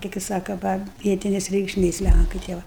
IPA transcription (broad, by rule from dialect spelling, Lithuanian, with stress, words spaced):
kɐɪ kɐɪ ˈsɑːkɐ ˈʋɐ ˈʋʲiɛtʲɪnʲɛs rʲɛɪkʃʲˈmʲeːs ˈlʲæŋkɐɪ tʲiɛ ˈʋɐ